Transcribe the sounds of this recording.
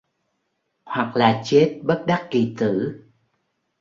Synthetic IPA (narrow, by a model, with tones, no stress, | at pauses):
hwa˨˩k̚laː˨˩t͡ɕe˦˥t̚ɓə˦˥t̚ɗa˦˥k̚ki˨˩t̪ɨ̰˧˨